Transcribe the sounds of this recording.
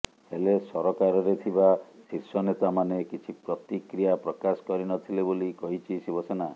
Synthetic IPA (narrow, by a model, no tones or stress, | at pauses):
helesɔɾɔkaɾɔɾet̪ʰibasiɾsɔnet̪amanekit͡ʃʰipɾɔt̪ikɾijapɾɔkasɔ̥kɔɾinɔt̪ʰilebolikɔɦit͡ʃʰisibɔsena